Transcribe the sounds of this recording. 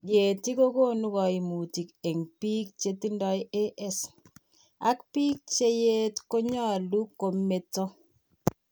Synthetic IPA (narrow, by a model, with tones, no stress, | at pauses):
ɡe˨ti˦ko˦ko˦˨nu˦kɔ˨i˨mu˨ti˨ke˨ŋpi˦k̚t͡ʃe˦ti˦ndɔ˦je˦ʔɛ˦s | a˦kpi˦k̚t͡ʃe˦je˦tko˦ɲa˦˨lu˦ko˨me˨tɔ˦